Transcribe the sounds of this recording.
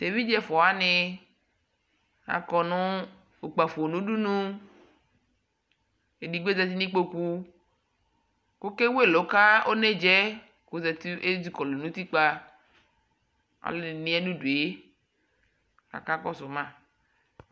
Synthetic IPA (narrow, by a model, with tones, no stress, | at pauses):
t̪e˨vi˦d͡ʒɛ˦fɔ˨a˦nɪ˨ | a̰˨kɔ˨nʊ̃˦ | o˨k͡pa˨fo˨o˨nũ˦ɖu˦nũ˦ | e˨di˨ɡ͡be˦zɛ˨t̪̬i˦nĩ˦k͡po˦ku˦ | ko˦ke˦we˦˨lo˨ka˦o˦ne˦d͡ʒɛ˦ | ko˨˦zɛ˨t̪e˦d͡ʒi˦kɔ˨lo˨nũ˦t̪i˦k͡pa˦ | a̰˨lnĩ˦a˦ɖu˦du˨e˦ | a̰˨ka˦k͡pɔ˦sʊ˨mã˦